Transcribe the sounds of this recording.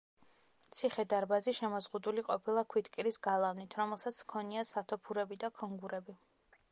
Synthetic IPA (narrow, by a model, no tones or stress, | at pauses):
t̪sʰiχɛd̪aɾbaziʃɛmɔzʁud̪uliqʼɔpʰilˠakʰwit̪kʼiɾisɡalˠavnit̪ʰɾɔmɛlˠsat̪sʰkʰɔniasat̪ʰɔpʰuɾɛbid̪akʰɔŋɡuɾɛbi